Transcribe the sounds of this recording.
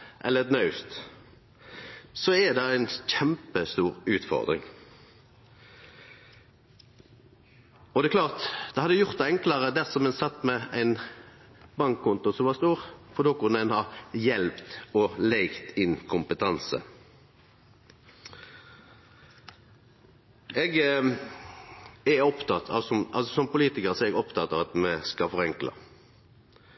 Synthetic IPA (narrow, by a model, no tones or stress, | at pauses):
ʔɛlːəɛt̪nɑʉst̪ | sɔɛd̪ɛæɪnçɛmpəst̪uːʁʉːt̪fɔ̰ʁd̪ʁɪ̰ŋ | ɔd̪ɛːkʰlɑːʁt̪d̪̥ɛhɑd̪əjʊʁt̪ɛɛŋkləʁəd̪æʁsɔmɛnsɑt̪ːmɛæɪn | bɑŋkʰːʊnt̪ʊsɔmʋɑːst̪uːʁfɔʁd̪oːkʊnːəɛnhɑjɛlpt̪ɔlɛɪkt̪ɪnkʰʊmpət̪ʰɑnsə̰ | ɛɡ | ɛɔpt̪ɑt̪ʰɑ̰sɔmʔɑlsɔsɔmpʊliːt̪ɪkəʁsɔɛɡɔpt̪ɑt̪ɑʋɑt̪mɛskɑfɔʁɛŋklɑ̰